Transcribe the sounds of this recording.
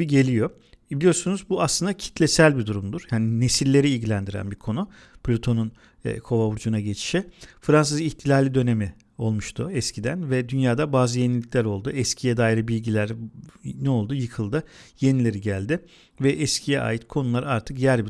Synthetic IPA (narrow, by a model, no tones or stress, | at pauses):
iɟe̞lʲijo̞ | bilʲijo̞ɾsunuzbuaslˠɯnd̪acʰi̥t̪ʰlʲesælʲbid̪uɾumd̪uɾ̥jaːnine̞sillʲːe̞ɾiːlʲɟilʲænd̪iɾæ̰nbiɾkʰo̞nu | pʰlʲot̪ʰo̞nun̰ː | kʰo̞vavuɾd͡ʒunaɟe̞t͡ʃʰi̥ʃɛfɾansɯziçt̪ʰilʲaːlʲid̪ø̞ne̞mi | o̞lˠmuʃt̪ʰʊɛscʰid̪ænvɛd̪ynjaːd̪abaːzɯje̞nilʲiclʲæɾo̞lˠd̪uɛscʰijɛd̪aːjiɾɯbilʲɟilʲæɾnɛo̞lˠd̪ujɯkʰɯlˠd̪ɯje̞nilʲe̞ɾiɟælʲd̪ɪ | vɛʔɛscʰijɛʔa̰ːjit̪kʰo̞nulˠaɾaɾt̪ʰɯkjæɾbi